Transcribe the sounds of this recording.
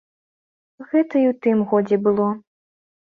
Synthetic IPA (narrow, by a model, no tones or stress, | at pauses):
ɣɛt̪ɐiwt̪ɨmɣɔd͡zʲɛbɨlˠɔ